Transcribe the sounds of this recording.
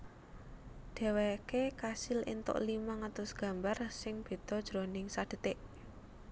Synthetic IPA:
ɖ̥ɛ̤wekekasɪlḭnt̪ʊ̰ʔlimaŋat̪ʊsɡ̥ä̤mbarsɪŋb̥i̤t̪ɔd̥ʒ̥ɾonɪŋsad̥ə̤t̪ɪʔ

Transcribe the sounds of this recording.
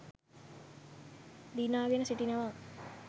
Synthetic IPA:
d̪inaːɡenəsiʈinəʋa

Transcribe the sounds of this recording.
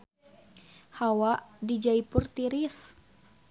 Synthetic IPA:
hawaʔdid͡ʒaipurt̪iɾis

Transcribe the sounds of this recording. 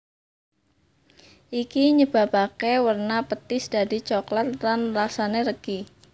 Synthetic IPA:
ʔikiɲəb̥a̤pakewərnapət̪ɪsdaɾit͡ʃɔklat̪̚lanlasaneɾəɡ̥i

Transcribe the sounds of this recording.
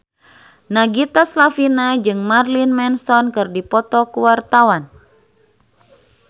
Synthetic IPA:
naɡit̪aslafinad͡ʒɨŋmarlinmɛnsɔnkɨrdipɔt̪ɔkuwart̪awan

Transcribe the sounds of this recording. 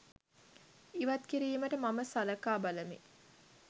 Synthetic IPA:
iʋɐt̪kiɾiːməʈəmaməsaləkaːbaləmḭ

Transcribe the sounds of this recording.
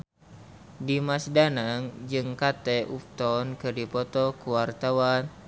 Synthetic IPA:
dimasdanaŋd͡ʒɨŋkat̪ɛʔup̚t̪ɔnkɨrdipɔt̪ɔkuwart̪awan

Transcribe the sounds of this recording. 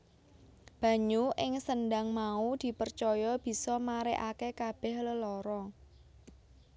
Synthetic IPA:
b̥ä̤ɲuʔɪŋsənɖaŋmaud̪̥i̤pərt͡ʃɔjɔb̥i̤sɔmaɾeʔakekab̥ɛ̤hləlɔɾɔ

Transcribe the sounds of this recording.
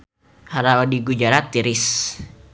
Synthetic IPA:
haɾawadiɡud͡ʒaɾat̪iɾis

